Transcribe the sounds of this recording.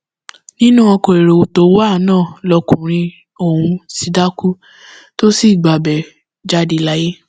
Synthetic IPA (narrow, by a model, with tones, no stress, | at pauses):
nĩ˦nũ˦ɔ˧ko˨e˨ɾo˨o˨to˨˦wo˦a˦˨˦nãː˦˨lɔ˧kũ˨ɾ̃ĩ˧ | o˦˨hũ˧si˨˧˦da˦ku˦ | to˦si˦˨ɡ͡ba˨bɛ˨ | d͡ʒa˦di˧˦la˦je˦